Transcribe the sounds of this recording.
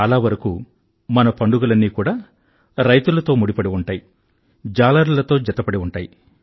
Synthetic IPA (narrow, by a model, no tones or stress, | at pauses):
ɐlaːʋɐɾɐkṵ | mɐnɐpɐɳɖuɡɐlɐnːiːkuːɽaː | ɾɐjt̪ulɐt̪o̞ːmuɽipɐɽiuɳʈaːji | d͡ʒaːlaɾulɐt̪o̞ːd͡ʒɛt̪ːɐpɐɽiuɳʈaːji